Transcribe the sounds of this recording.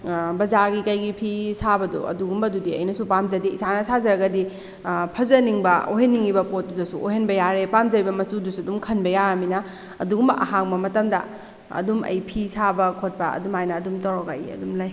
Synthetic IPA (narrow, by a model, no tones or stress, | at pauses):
bɐzaɾɡikɐjɡipʰisabɐdo̰ɐ̰duɡumbɐdudiɐ̰jnɐsupamzɐdiisanɐsazɐɾɐɡɐdi | pʰɐzɐniŋbɐo̰ɦenːiŋibɐpot̚ːudɐsuʔoɦenbɐjaɾepamzɐɾibɐmɐsudusuɐdumkʰɐnbɐjaɾɐminɐ | ɐ̰duɡumbɐ̰ʔɐ̰ɦaŋbɐmɐtɐmdɐ | ɐ̰dumɐ̰jpʰisabɐkʰot̚pɐɐ̰dumajnɐːdumtɐwɾɔɡa̰jɐ̰dumlaj